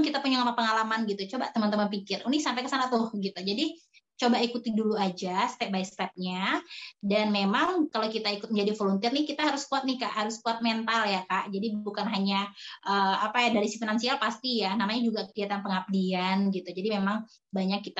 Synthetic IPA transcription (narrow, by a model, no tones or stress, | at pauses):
ŋkit̪apuɲaŋamapəŋalamanɡit̪ut͡ʃobaʔt̪əmant̪əmanpikɪrunɪhsampɛjkəsanat̪ʊhɡit̪ud͡ʒadit͡ʃobaikut̪iduluad͡ʒast̪ɛp̚baist̪ɛp̚ɲadanmemaŋkalokit̪aikʊt̪̚mɲd͡ʒadifolunt̪ɪrnɪkit̪aɦaɾʊskuat̪̚nihkaʔɦaɾʊskuat̪̚ment̪aljakaʔd͡ʒadibukanɦaɲaʔəːapajadaɾisifinansialpast̪ijanamaɲad͡ʒuɡakəkiat̪anpəŋap̚dianɡit̪ud͡ʒadimemaŋ | baɲakːit̪a